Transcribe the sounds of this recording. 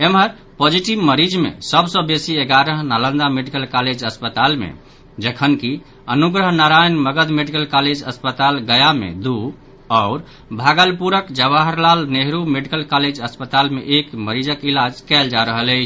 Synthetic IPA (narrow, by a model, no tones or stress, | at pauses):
emɦəɾ | pod͡ʒiʈibməɾid͡ʒmḛsəbsə̃besieɡaɾəɦnalə̃nd̪ameɖikəlkaled͡ʒəspət̪almḛ | d͡ʒəkʰənki | ənuɡɾəɦnaɾajnməɡəd̪meɖikəlkaled͡ʒəspət̪alɡəjamḛd̪u | ɔʊɾ | bʱaɡəlpuɾəkd͡ʒəʋaɦəɾlalneɦɾumeɖikəlkaled͡ʒəspət̪almḛʔekməɾid͡ʒəkilad͡ʒkɛld͡ʒaɾəɦələt͡ʃʰ